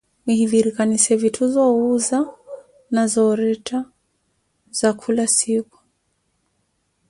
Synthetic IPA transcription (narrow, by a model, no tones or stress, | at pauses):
mihiðiɾikanisɛvitʰuzɔuza | nazɔɾɛtʰa | z̥akʰulasiku̥